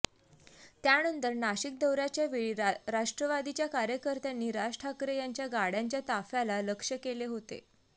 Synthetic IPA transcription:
t̪janənt̪əɾnaɕik̚d̪əwɾat͡ɕjaʋeɭiɾaʂʈɾəʋad̪it͡ɕjakaɾjəkəɾt̪janːiːɾasʈʰakɾejaɲt͡ɕjaɡaɽjaɲt͡ɕjat̪afjalaləkʂəkeleɦot̪ḛ

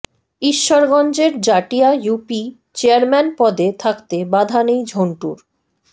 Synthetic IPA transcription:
iʃːoɾɡɔnd͡ʑeɾd͡ʑaʈijajupi | t͡ɕeaɾmɛnpɔd̪et̪ʰakt̪ebad̪ʱanejd͡ʑʱoɳʈuɾ

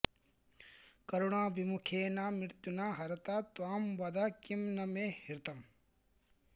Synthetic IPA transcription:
kɐɾuɽãːbʱimukʰeːnaːmiɾt̪unãːɦɐɾɐt̪aːt̪uamʋɐd̪akimnɐmeːhiɾt̪ɐm

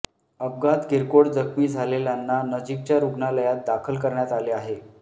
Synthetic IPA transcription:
əb̚ɡat̪ɡiɾkoɽd͡zəkʰmiːd͡zʱaleljanːanəd͡ʑik̚t͡ɕjaɾuɡnaləjat̪̚d̪akʰəlkəɾɳjat̪aleaɦe

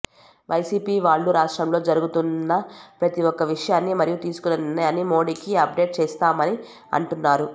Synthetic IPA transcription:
ʋʔɐjsiːpiːʋaːɭːuɾaːʂʈɾɐmlo̞ːd͡ʒɐɾuɡut̪unːɐpɾɐt̪iɔkːɐʋiʂɐjaːnːimɐɾijut̪iːsu̥kunɐnɐjaːnːimo̞ːɽiːkiɐp̚ɖe̞ːʈ̚t͡ʃeːst̪aːmɐni | ɐ̰ɳʈunːaːɾu

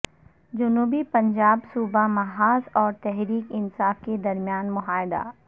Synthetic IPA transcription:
d͡ʒʊnuːbipɐ̃ɲd͡ʒaːbsuːbamɐɦaːzɔːɾt̪ɛɦɾiːkɪnsaːfked̪ɐɾmjaːnmʊɦaːjd̪a̰ː

